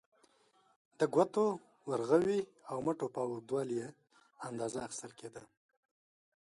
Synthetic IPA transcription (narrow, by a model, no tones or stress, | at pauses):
d̪əɡwat̪o | waɾɣawiawmaʈopɑwud̪wɑlje | and̪ɑzaːxɪ̥st̪əlked̪a